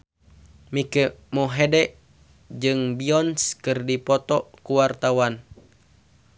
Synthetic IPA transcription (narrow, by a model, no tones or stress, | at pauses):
mikəmɔɦedɛʔ | d͡ʒɨŋbiɔnskɨrdipɔt̪ɔkuwart̪awan